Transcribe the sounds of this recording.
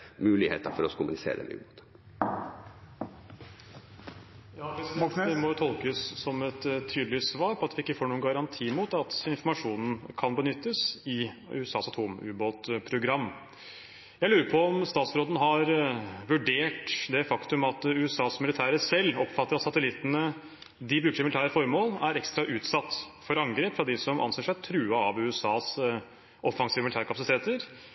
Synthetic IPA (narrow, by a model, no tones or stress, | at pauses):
mʉːlɪhḛːt̪əɾfɔɾɔkʊmʊ̰nɪsḛːɾə̰nʉ̰ːboːt̪ | jɑːʋɪsd̪ɛmɔt̪ʰɔlˠkəsːɔmɛt̪t̪ʰːyːd̪lɪsʋɑːɾpʰɔɑt̪ʋɪɪkːəfoːɳuːənɡɑɾɑnt̪ʰiːmuːt̪ɑt̪ɪnfɔɾmɑʂuːnn̩kʰɑnbənʏt̪ːəsɪʉ̰ːɛsɑːsɑt̪ʰoːmʉ̰ːboːt̪pʰɾʊɡɾɑmː | jæɪlʉːɾəpʰɔɔmst̪ɑːt̪sɾoːd̪nəɦɑɾʋʉɖeːʈd̪ɛfɑkt̪ʉmɑt̪ʉːɛsɑːsmɪlɪt̪ʰæːɾəsɛlːɔpfɑt̪ːəɾɑt̪sɑt̪əlɪt̪ːənə | d̪ɪbɾʉːkəʂmɪlɪt̪ʰæːɾəfɔɾmoːlæɾɛkst̪ɾɑʔʉːt̪sɑt̪ːfɔɾɑŋɡɾeːpfɾɑd̪ɪsɔmʔɑ̰nseːʂæɪt̪ʰɾʉːɑɑʋʉːɛsɑːs | ʔɔfɑŋsiːʋəmɪlɪt̪ʰæːɾkʰɑpɑsɪt̪ʰeːt̪əɾ